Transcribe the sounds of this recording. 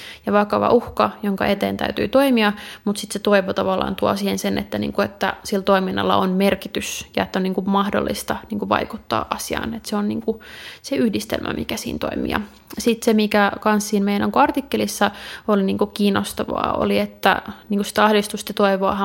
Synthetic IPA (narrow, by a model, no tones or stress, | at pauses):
jɑʋɑkɑʋɑ̰ʔuhkɑjoŋkɑ̰ʔet̪eːnt̪æ̰yt̪y̰ːt̪oimiɑmut̪sit̪set̪oiʋot̪ɑʋɑlːˑɑ̰ːnt̪uɑ̰sihensenʔḛt̪ːænḭːŋkuet̪ːæ̰silt̪oiminːɑ̰lːɑ̰onmerkit̪ysjɑet̪ːæoniːŋkumɑhdo̰lːist̪ɑniːŋkuʋɑ̰ikut̪ːɑ̰ːʔɑsiɑ̰ːnet̪seonniːŋkuseyhdist̪ḛlmʔæ̰mḭkæsḭːnt̪o̰imḭjɑ̰ | sit̪semikækɑnssiːnmejænoŋkoɑrt̪ikːelisːɑoliniːŋkukiːnost̪ɑʋɑ̰ːo̰liet̪ːæ̰niːŋkusit̪ɑhdist̪ust̪ɑt̪oiʋoɑ̰hɑ